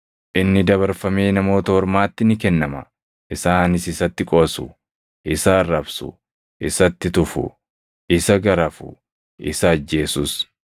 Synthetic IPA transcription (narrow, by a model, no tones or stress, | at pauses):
ʔɪnːɪd̪ɐβɐɾfɐme̞ːnɐmo̞ːt̪ɐhɔɾmaːt̪ːɪnɪkɛnːɐmɐ | ʔɪsaːnɪsɪsɐt̪ːɪkʼoːsʊ̰ | ʔɪsarːɐbsʊ̰ | ʔɪsɐt̪ːɪt̪ʊfʊ̰ | ʔɪsɐɡɐɾɐfʊ̰ | ʔɪsɐːd͡ʒːe̞ːsus